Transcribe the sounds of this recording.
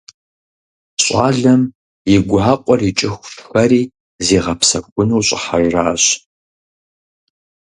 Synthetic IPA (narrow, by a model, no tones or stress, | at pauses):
ɕʼaːɮɐm | jɪɡʷaːqʷʼɔrit͡ʃʼɪxʷxʷɐɾiː | zeːʁɐpsɐkʷʼʊnuːɕʼɪħaʒraːɕ